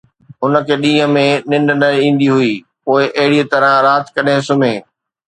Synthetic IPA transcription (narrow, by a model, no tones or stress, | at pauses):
ɦʊnə̆kʰeːɗĩːɦə̃mẽnɪ̃nɖnɐĩːn̆d̪iɦuiː | poːɪʔɐɦɪɽit̪ɐɾə̃ɾaːt̪kɐɗɪ̃sʊmẽː